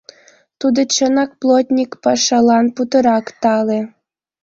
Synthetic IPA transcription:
t̪ud̪ɤ̆t͡ɕə̆nɑk̚plˠot̪ʲnʲikpɑʃɑlˠɑnput̪ɤ̆ɾɑkt̪ɑle

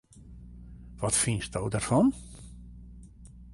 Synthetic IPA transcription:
ʋɔtfinsdowdarfɔn

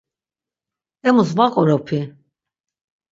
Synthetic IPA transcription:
ɛmusvaqʼɔɾɔpʰi

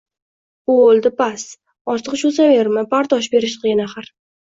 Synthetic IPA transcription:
ʊolˠd̪ɪpas | ɒɾt̪ʰəqʃʊsaveɾmɪpaɾt̪ʰɒʃbe̞ɾɪʃqʰijnaχaɾ

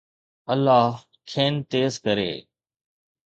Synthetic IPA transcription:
əlːaːɦ | kʰeːnt̪eːzkəɾḛː

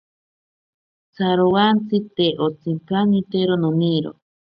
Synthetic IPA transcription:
t͡sʰaɾowant͡sʰɨt̪eʔot͡sʰimkanit̪eɾononiɾo̰

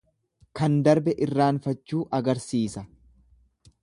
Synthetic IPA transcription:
kɐnd̪ɐɾbɛʔɪrːaːnfɐt͡ʃːuːʔɐɡɐɾsiːsɐ

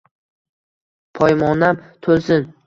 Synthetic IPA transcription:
pʰɒjmɒnamt̪ʰolsɪn

